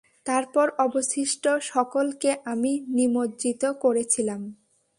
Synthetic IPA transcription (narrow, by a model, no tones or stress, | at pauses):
t̪aɾpɔɾɔboʃiʃʈoʃɔkolkeʔaminimodd͡ʑit̪okoɾet͡ɕʰilam